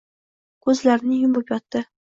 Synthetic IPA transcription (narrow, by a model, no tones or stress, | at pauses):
kʰɵzlaɾɪnɪjʊmbʊpjɒt̪ːɪ